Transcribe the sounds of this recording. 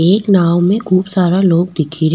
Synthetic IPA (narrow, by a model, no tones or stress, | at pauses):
eːknaːʋmẽkʰuːbsaːɾaloːɡ̚d̪ɪkʰiɾ